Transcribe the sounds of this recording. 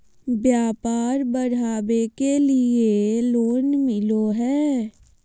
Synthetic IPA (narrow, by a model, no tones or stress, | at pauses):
bjaːpaːɾbəɾ̤aːbekelɪeloːnmɪloɦɛː